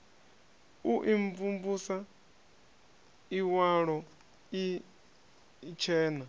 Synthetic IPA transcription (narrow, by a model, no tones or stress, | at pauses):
uʔiɱvumbusa | iwaɺɔ | i | t͡ʃʰɛːna